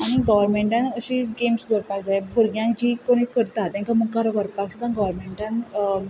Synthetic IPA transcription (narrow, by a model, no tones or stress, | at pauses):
aɽ̃iɡɔʋəɾmeɳʈãnəɕiɡemsd͡z̪oɽpad͡zajbʱuɾɡjãd͡ʑiːkoɽ̃ikəɾt̪at̪jãŋkaməɡ̚kaɾəɡəɾpaksat̪ãnɡɔʋəɾmeɳʈãn